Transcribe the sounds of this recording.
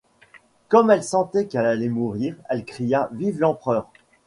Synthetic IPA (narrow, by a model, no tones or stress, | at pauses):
kɔmɛlsɑ̃t̪ɛkɛlalɛmuʁiːʁɛlkχijavivlɑ̃pχœːʁ